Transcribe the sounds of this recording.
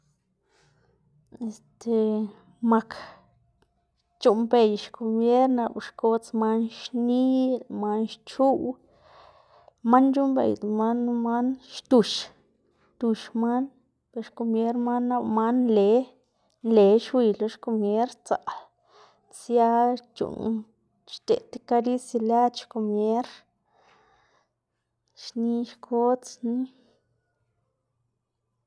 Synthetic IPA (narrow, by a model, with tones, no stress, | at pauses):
e˨st̪e˨ | ma˨k | t͡ʃu˧mbe˨jʃko˧mje˦ɾna˧bʃko˧t͡sma˦nʃni˦lma˦nʃt͡ʃu˦w | ma˦nt͡ʃu˦mbḛ˧jd̪ma˦nma˦nʃt̪u˧ʃ | t̪u˨˧ʃma˦n | pe˧ɾʃko˧mje˦ɾma˦nːa˦˧wma˦nle˨˦ | nle˨˦ʃwi˧lo˧ʃko˧mje˦ɾt͡sa̰˨l | t͡sja˦t͡ʃṵ˨n | ʃt̪ḛ˨t̪e̥˦ka˧ɾi˦si˧la˦t̪ʃko˧mje˦ɾ | ʃni˧ʃkʰo˦t͡sni˦